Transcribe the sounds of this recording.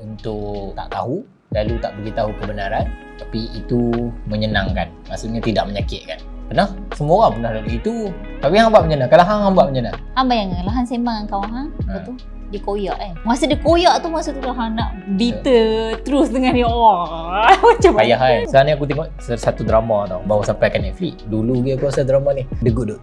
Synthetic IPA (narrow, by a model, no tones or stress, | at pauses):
unt̪ʊʔt̪a̰ʔt̪a̰ɦu | lalut̪aʔbəɡit̪aɦukəbənaɾan | t̪apiit̪uməɲənaŋka̰nmaʔsuʔɲat̪idaʔ̚məɲakɪt̪̚kanpənahsəmuoɣaŋpənahlalit̪ut̪apiɦaŋbaʔməɲənãŋkalaɦaŋɦambaʔ̚məɲəna̰haŋbajaŋalaɦansemaŋəŋkawaŋɦaŋat̪u | dikojaʔimasudikojaʔt̪umasut̪ulaɦanaʔbit̪ət̪əɾusdəŋaniaʔwa | bat͡ʃapkajaɦajsəaniakut̪iŋɔʔssat̪ud̪ɾamat̪awbawusampajkanɛʔflḭʔduluɡiakuasad̪ɾamanihdəɡuʔdo